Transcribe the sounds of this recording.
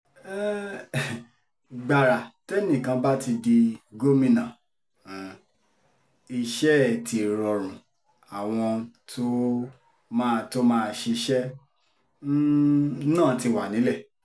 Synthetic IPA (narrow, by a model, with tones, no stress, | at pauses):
ɛ˦ | ɡ͡ba˨ɾa˨te˦nĩ˦˨kã˨˧ba˦ti˧di˧ɡo˦mĩ˦˨nã˨ | i˧ʃɛ˦˨ti˧˨ɾɔ˧ɾ̃ũ˨ | a˨w̃ɔ̃˧tʰo˦ | mã˦˧to˦mãː˦˧˦ʃe˧ʃɛ˦ | nãː˦˨ti˧˨wa˨nĩ˨˦lɛ˦˨